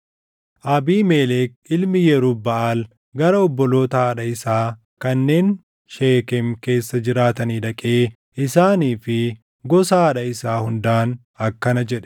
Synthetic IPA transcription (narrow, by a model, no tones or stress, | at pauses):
ʔɐbiːmeːleːk̚ | ɪlmɪjɛɾuːbɐʔaːl | ɡɐɾɐɔbːɔlo̞ːt̪ɐɐᶑɐɪsaː | kɐnːe̞ːn | ʃeːkɛmke̞ːsːɐd͡ʒɪɾaːt̪ɐniːᶑɐkʼe̞ː | ɪsaːniːfɪ | ɡɔsaːᶑɐɪsaːhʊnd̪aːn | ɐkːɐnɐd͡ʒɛᶑɛ̥